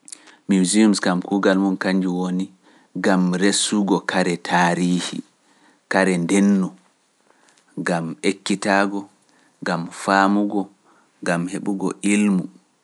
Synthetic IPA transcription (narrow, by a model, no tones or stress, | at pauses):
miwziumskamkuːɡalmunkaɲd͡ʒuwoni | ɡamɾesːuɡɔkʰaɾɛtʰaːɾiːhḭ | kaɾɛndenːu | ɡamekːitaːɡɔ | ɡamfaːmuɡɔ | ɡamheɓuɡɔ̰ʔilmu